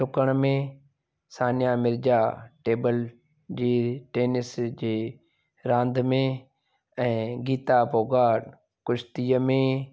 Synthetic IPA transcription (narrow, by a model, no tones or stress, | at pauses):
ʈʊkəɽ̃mẽ | saːnjamɪɾd͡ʒaːʈeːbəl | d͡ʑiːʈeːnɪsd͡ʑeː | ɾãːnd̪ʱmẽ | ɛ̃ːɡiːt̪abʱoːɡaːɖ | kʊʃʰt̪iːəmẽ